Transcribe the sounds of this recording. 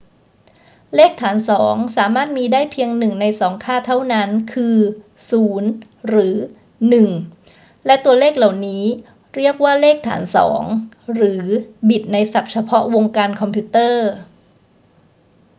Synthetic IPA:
leː˥˩k̚t̪ʰaː˩˦nsɔː˩˦ŋsaː˩˦maː˥˩t̪̚miː˧daː˥˩jpʰi˧əŋnɯ˨˩ŋna˧jsɔː˩˦ŋkʰaː˥˩t̪ʰa˥˩wna˦˥nkʰɯː˧ | suː˩˦n | ɾɯː˩˦ | nɯ˨˩ŋ | lɛ˦˥t̪u˧ɐleː˥˩k̚la˨˩wniː˦˥ | ɾi˥˩ək̚waː˥˩leː˥˩k̚t̪ʰa̰ː˩˦nsɔ̰ː˩˦ŋ | ɾɯː˩˦bi˨˩t̪̚na˧jsa˨˩p̚t͡ɕʰa˧pʰɔ˦˥ʔwo˧ŋkaː˧nkʰɔ˧mpʰiu˦˥t̪ɤː˥˩

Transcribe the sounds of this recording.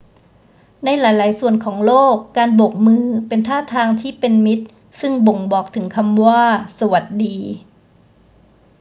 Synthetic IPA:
na˧jlaː˩˦jlaː˩˦jsu˨˩ənkʰɔː˩˦ŋloː˥˩kːaː˧nbo˨˩k̚mɯː˧pe˧nt̪ʰaː˥˩t̪ʰaː˧ŋt̪ʰiː˥˩pe˧nmi˦˥t̪̚ | sɯ˥˩ŋbo˨˩ŋbɔː˨˩k̚t̪ʰɯ˩˦ŋkʰa˧mwaː˥˩sa˧wa˨˩t̪̚diː˧

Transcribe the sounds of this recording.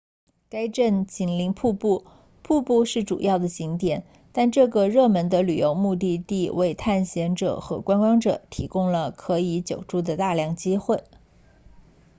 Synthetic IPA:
ka˥ɪʈ͡ʂə˥˩nt͡ɕi˧˩nli˧˥ŋpʰu˥˧pu˥˩ | pʰu˥˧pu˥˧ʂɻ̩˥˩ʈ͡ʂṵ˨˩jɑ˥˩ʊd̪ə˩t͡ɕi˧˥ŋt̪jɛ˨˩˦n | t̪a˥˧nʈ͡ʂɤ˥˩ɡə˩ɻɤ˥˩mə˧˥nd̪ə˧ly˨˩jo˧˥ʊmu˥˧t̪̬i˥˧t̪i˥˧we˥˧ɪt̪ʰa˥˩nɕjɛ˧˥nʈ͡ʂɤ̰˨˩xɤ˧˥kwa˥nkwɑ˥ŋʈ͡ʂɤ˨˩˦t̪ʰi˧˥kʊ˥ŋlə˨kʰɤ˧˥i˧˥t͡ɕjo˨˩ʊʈ͡ʂu˥˩d̪ə˨t̪a˥˧ljɑ˥˩ŋt͡ɕi˥xwe˥˩ɪ

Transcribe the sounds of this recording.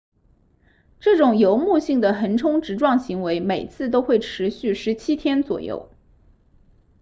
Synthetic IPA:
ʈ͡ʂɤ˥˩ʈ͡ʂʊ˨˩ŋjo˧˥ʊmu˥˧ɕi˥˩ŋd̪ə˩xə˧˥nʈ͡ʂʰʊ˥ŋʈ͡ʂɻ̩˧˥ʈ͡ʂwɑ˥˩ŋɕi˧˥ŋwe˧˥ɪme˨˩ɪt͡sʰɹ̩˥˩t̪̬o˥ʊxwe˥˩ɪʈ͡ʂʰɻ̩˧˥ɕy˥˩ʂɻ̩˧˥t͡ɕʰi˥t̪ʰjɛ˥nt͡swɔ̰˨˩jo̰˥˩ʊ

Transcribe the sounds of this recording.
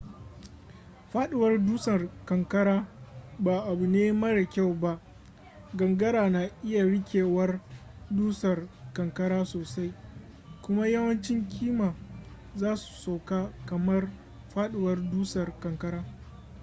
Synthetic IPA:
ɸaː˦ɗɪ˨wɐ˦rduː˦sɐ˨rkɐ˨ŋkɐ˦ɽaː˦ba˨ʔa˨bu˨neː˦mɐ˦ɽa˨kʲa˦˨wba˦ʔ | ɡɐ˨ŋɡɐ˦ɽaː˨naː˨ʔɪ˦ja˨ɽɪ˦kʲeː˨wɐ˦r | duː˦sɐ˨rkɐ˨ŋkɐ˦ɽaː˦soː˨sa˦j | kʷʊ˦ma˦jɐ˦wɐ˦nt͡ʃɪ˦ŋkʲʰiː˦maː˨ | zaː˦su̥˨sa˨wkaː˦kɐ˨mɐ˦r | ɸaː˦ɗɪ˨wɐ˦rduː˦sɐ˨rkɐ˨ŋkɐ˦ɾaː˦

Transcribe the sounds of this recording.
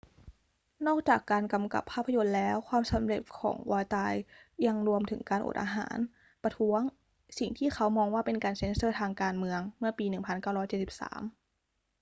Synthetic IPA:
nɔː˥˩k̚t͡ɕaː˨˩kːaː˧nka˧mka̰˨˩pʰːaː˥˩pʰːa˧jo˧nlɛː˦˥wkʰwaː˧msa˩˦mɾe˨˩t̪̚kʰɔ̰ː˩˦ŋwaː˧t͡ɕaː˧jːa˧ŋɾu˧əmt̪ʰɯ̰˩˦ŋkaː˧nʔo̰˨˩t̪ʔaː˧ɦa̰ː˩˦n | pɾa˧t̪ʰu˦˥əŋ | si˨˩ŋt̪ʰiː˥˩xʰa˦˥wmɔː˧ŋwaː˥˩pe˧nkaː˧nse˦˥nsɤː˥˩t̪ʰaː˧ŋkaː˧nmɯ˧əŋmɯ˥˩ɐpiː˧nɯ˨˩ŋpʰa˧nkaː˥˩wɾɔː˦˥jt͡ɕe˨˩t̪̚si˨˩p̚sa̰ː˩˦m

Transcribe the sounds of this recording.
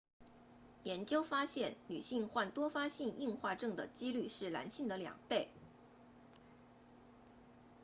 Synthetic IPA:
jɛ˧˥nt͡ɕjo˥ʊfa˥ɕjɛ˥˩nly̰˨˩ɕi˥˧ŋxwa˥˩nt̪wɔ˥fa˥ɕi˥˧ŋʔi˥˧ŋxwa˥˧ʈ͡ʂɤ˥˩ŋd̪ə̰˩t͡ɕi˥ly˥˧ʂɻ̩˥˩la̰˧˥nɕi˥˩ŋd̪ə˩ljɑ̰˨˩ŋpe˥˩ɪ

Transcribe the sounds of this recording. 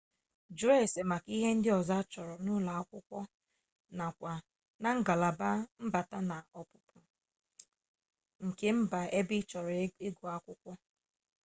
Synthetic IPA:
d͡ʒu˨ɾe˦˨se˨ma˨ki˦ɦe˦n̩˦dɪ˦ɔ˨za˦t͡ʃɔ˨ɾɔ˨nʊ˦la˨a˦kʷʊ˦kʷɔ˦ | na˨kʷa˨ | na˨ŋ̩˦ɡa˨la˨ba˦m̩˦ba˨ta˦na˨ɔ˨pʊ˨pʊ˨ | ŋ̩˨ke˦m̩˦ba˨e˦bɪ˦t͡ʃɔ˨ɾɔ˨e˦ɡu˨a˦kʷʊ˦kʷɔ˦

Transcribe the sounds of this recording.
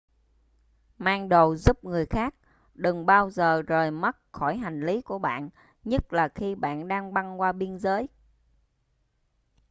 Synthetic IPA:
maː˧ŋɗo˧˨wzu˦˥p̚ŋɨ˨˩əjxaː˦˥k̚ | ɗɨ˨˩ŋɓaː˧wzəː˨˩zəː˨˩jmə˦˥t̚xɔ˧˩jɦa˨˩jŋ̟li˨˦ku˧˩əɓa̰ː˧˨n | ɲə˦˥t̚laː˨˩xi˧ɓa̰ː˧˨nɗaː˧ŋɓa˧nkwaː˧ɓi˧ənzəː˨˦j

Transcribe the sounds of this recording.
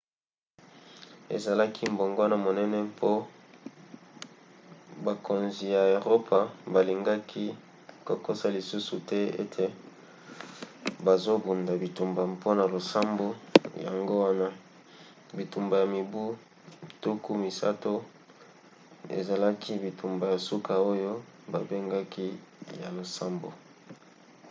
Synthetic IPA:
ḛ˨za˨la˦kʰi˦mbo˨ŋɡo˦a˦na˨mo˨nɛ˦nɛ˦pʰo˦ | ba˨kʰo˨nzi˨ja˨o˨ʁo˦pʰa˨ba˨li˨ŋɡa˦kʰi˦ | ko˨ko˦sa˦li˨su˦su˨tɛ˦ḛ˦tʰe˨ | ba˨zo˦bu˨nda˨bi˨tu˨mba˨pʰo˦na˨lo˨sa˦mbo˦ja̰˨ŋɡo˦wa˦na˦ | bi˨tu˨mba˨ja˨mi˨bu˦˨ | tu˦ku˦mi˨sa̰˦to˦ | ḛ˨za˨la˦kʰi˦bi˨tu˨mba˨ja˨su˦kʰa˨o˦jo˦ba˨be˦ŋɡa˦ki˦ja˨lo˨sa˦mbo̰˨

